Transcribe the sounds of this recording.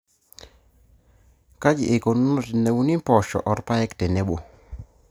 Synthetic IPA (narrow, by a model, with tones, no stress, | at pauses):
ka˦d͡ʒi˨ʔe˨ko˨nu˦no˦˨te˨ne˨wu˦ni˦mpɔ˨ʃɔ̰˨ʔɔ˨ɾpa˦ɛ˦ktɛ˨ne˦bo˨